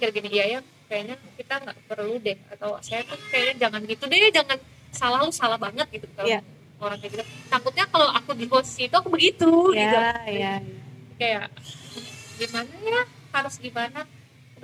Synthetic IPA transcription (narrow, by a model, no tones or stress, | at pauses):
kərɡinijaja | kajaɲakit̪aŋɡa̰ʔpərludɛha̰t̪aw̰sajat̪ʊkajaɲad͡ʒaŋanɡit̪udiajad͡ʒaŋan | salahlusalahbaŋət̪̚ɡit̪uka | oɾaŋkaɡid̪at̪aŋkʊt̪̚ɲakalawʔakudiɡosiit̪uakubəɡit̪ujiaakajaʔ | ɡimanajahaɾʊsɡimana